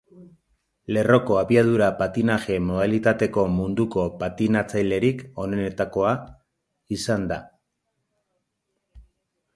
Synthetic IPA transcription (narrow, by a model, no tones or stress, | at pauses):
le̞ro̞ko̞aβiað̞uɾapat̪inaʝe̞mo̞ð̞alit̪at̪e̞ko̞mund̪uko̞pat̪inat͡sajle̞ɾiko̞ne̞ne̞t̪ako̞a | isand̪a